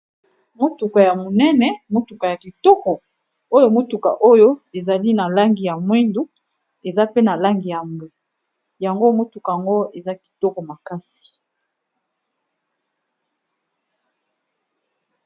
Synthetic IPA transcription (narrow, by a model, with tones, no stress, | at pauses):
mo˦tu˨ka˨ja˨mo˨nɛ˦nɛ˨mo˦tu˨ka˨ja˨ki˨tɔ˦kɔ˨ | o˦jo˦mo˦tu˨ka̰˨ʔo˦jo˦e˨za˨li˦na˨la˦ŋɡi˨ja˨mwe˦ndu˦ | e˨za˦pe˦na˨la˦ŋɡi˨ja˨mbe˨ | ja˨ŋɡo˦mo˦tu˨ka˨ja˨ŋɡo˦e˨za˦ki̥˨tɔ˦kɔ˨ma˨ka˦si̥˨